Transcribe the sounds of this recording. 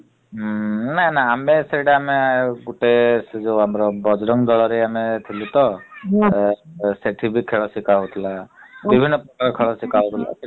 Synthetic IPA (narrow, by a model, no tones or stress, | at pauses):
nanaːmeseɽaameɡuʈesd͡ʒoamɾɔbɔd͡ʒɾɔŋd̪ɔɭɔɾeamet̪ʰilut̪ɔ | seʈʰibʱikʰeɭɔsikaut̪ʰlabibʱinːɔpɾɔkaɾkʰɔɭɔsikaut̪ʰla̰